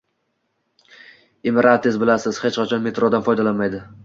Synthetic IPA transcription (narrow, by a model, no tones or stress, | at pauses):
emeɾʔat̪ʰezbɪlasɪz̥het͡ʃqat͡ʃʰɒnme̞t̪ɾod̪anfɒjd̪alanmajd̪ɪ